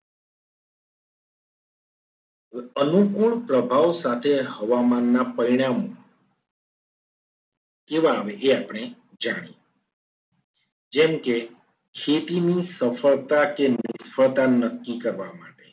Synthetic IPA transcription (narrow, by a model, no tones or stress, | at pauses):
ənukuɭpɾəbʱaʋsat̪ʰeɦəʋamanːapəɾiɽ̃amõ | keʋãːʋeʔeapɽ̃e | d͡ʒaɽ̃ḭ | d͡ʒɛmke | kʰet̪inisəfʰəɭt̪akenɪsfʰəɭt̪anəkːikəɾʋama̰ʈe